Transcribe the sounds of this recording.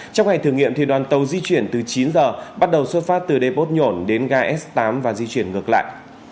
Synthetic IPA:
t͡ɕa˧wŋ͡mŋa˨˩jt̪ʰəŋḭ˧˨əmt̪i˨˩ɗwaː˨˩nt̪ə˨˩wzi˧t͡ɕwi˧˩ənt̪ɨ˨˩t͡ɕi˨˦nzəː˨˩ɓa˦˥t̚ɗə˨˩wswə˦˥t̚faː˦˥t̚t̪ɨ˨˩ɗe˧˩po˦˥t̚ɲo˧˩nɗe˨˦nɣaː˧ʔɛ˦˥st̪aː˨˦mvaː˨˩zi˧t͡ɕwi˧˩ənŋɨ˨˩əkla̰ː˧˨jʔ

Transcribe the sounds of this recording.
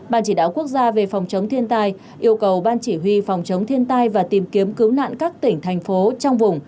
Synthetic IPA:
ɓaː˨˩nt͡ɕi˧˩ɗaː˧˨wku˦˥ək̚zaː˧ve˨˩fɔ˨˩wŋ͡mt͡ɕə˨˦wŋ͡mt̪ʰi˧ənt̪aː˧j | ʔi˧əwkə˨˩wɓaː˧nt͡ɕi˧˩ɦwi˧fɔ˨˩wŋ͡mt͡ɕə˨˦wŋ͡mt̪ʰi˧ənt̪aː˧jvaː˨˩t̪i˨˩mki˨˦əmkɨ˨˦wna̰ː˧˨nkaː˦˥k̚t̪ï˧˩ŋ̟t̪ʰɛ˨˩jŋ̟fo˨˦t͡ɕɔ˧wŋ͡mvʊ˨˩ŋ͡m

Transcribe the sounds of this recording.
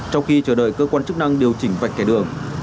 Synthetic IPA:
t͡ɕɔ˧wŋ͡mxi˧t͡ɕəː˧˩ɗə̰ː˧˨jkəː˧kwaː˧nt͡ɕɨ˦˥k̚na˧ŋɗi˨˩əwt͡ɕï˧˩˦ŋ̟va̰˨˩k̚kɛ˨˧˩ɗɨ̰˨˩əŋ

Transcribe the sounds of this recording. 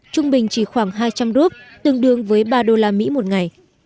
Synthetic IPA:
t͡ɕʊ˧ŋ͡mɓï˨˩ŋ̟t͡ɕi˧˩xwaː˧˩ŋɦaː˧jt͡ɕa˧mzu˦˥p̚t̪ɨ˨˧əŋɗɨ˨˧˩əŋvəː˨˦jɓaː˧ɗo˧laː˧mḭ˧˥mo˨˩t̚ŋa˨˩j

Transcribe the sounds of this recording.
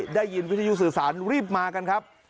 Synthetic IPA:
daː˥˩jːi˧nwi˦˥t̪ʰa˧ju˦˥sɯː˨˩saː˩˦nɾiː˥˩p̚maː˧ka˧nkʰa˦˥p̚

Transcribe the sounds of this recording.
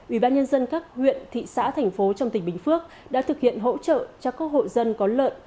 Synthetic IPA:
wi˧˩ɓaː˧nɲə˧nzə˧nkaː˦˥k̚hwḭ˧˨ənt̪ʰḭ˧˨sa̰ː˧˥t̪ʰɛ˨˩jŋ̟fo˨˦t͡ɕɔ˧wŋ͡mt̪ï˨˩ŋ̟ɓï˨˩ŋ̟fɨ˦˥ək̚ | ɗa̰ː˧˥t̪ʰɨ˨˩k̚hḭ˧˨ənɦo̰˧˥t͡ɕə̰ː˧˨t͡ɕɔ˧kə˦˥ho̰˧˨jzə˧nkɔ˨˦lə̰ː˧˨n

